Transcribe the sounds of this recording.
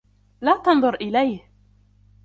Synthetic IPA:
laːt̪ɑnðˤʊɾʔɪlajh

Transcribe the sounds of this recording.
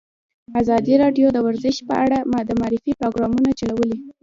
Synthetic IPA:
azɑd̪iɾɑɖjod̪əwaɾzɪʃpə̰ʔaɽamd̪əmɑɾɪfipɾoɡɾɑmunat͡ʃalawəli

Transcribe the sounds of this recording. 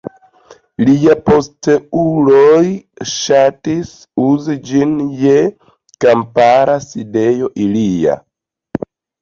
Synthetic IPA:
liapo̞steulojʃatis | uzid͡ʒinje̞ | kampaɾaside̞jo̞ʔilia̰

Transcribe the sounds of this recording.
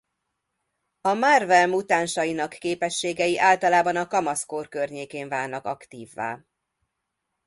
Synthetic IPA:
ɒmarvɛlmut̪aːnʃɒjinɒkːeːpɛʃːeːɡɛjiʔaːlt̪ɒlaːbɒnɒkɒmɒskoːrkørɲeːkeːɱvaːnnɒkɒkt̪iːvːa̰ː

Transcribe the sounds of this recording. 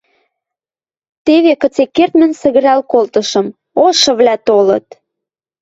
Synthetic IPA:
t̪eβekə̆t͡sekːert̪mə̆nsə̆ɣə̆ɾælkolt̪ɤ̆ʃɤ̆m | oʃɤ̆βlæt̪olɤ̰̆t̪

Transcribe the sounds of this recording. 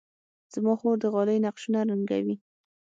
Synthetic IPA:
z̥mɑxoɾd̪əɣɑləjnaqʃunaɾəŋɡa̰wi

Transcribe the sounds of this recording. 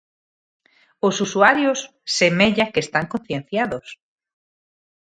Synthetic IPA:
osusuaɾjosː | emeʎakest̪aŋkõn̟θjẽn̟θjaðos

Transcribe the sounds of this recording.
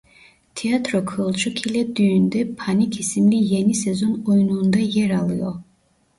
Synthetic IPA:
t̪ʰijat̪ʰɾokʰɯlˠt͡ʃʰukʰilʲɛd̪yjynd̪ɛpʰanikʰisimlʲijenisɛzonojunuːnd̪ajɛɾalˠɯjo̰

